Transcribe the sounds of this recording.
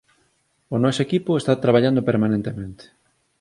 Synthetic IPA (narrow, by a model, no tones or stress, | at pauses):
ʊnɔsoekipʊest̪at̪ɾaβ̞aʎand̪opeɾmanẽnt̪emẽnt̪e̥